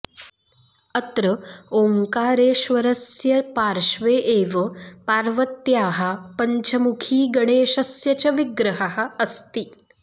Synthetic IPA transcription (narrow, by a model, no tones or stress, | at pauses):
ət̪ɾəoːŋkaːɾeːʃʋɐɾɐsjɐpaːɾʃʋeːʔeːʋɐpaːɾʋɐt̪jaːɦɐpɐɲt͡ɕʰɐmukʰiːɡɐɽeːʃɐsjɐt͡ɕɐʋiɡɾɐɦaɦɐɐst̪i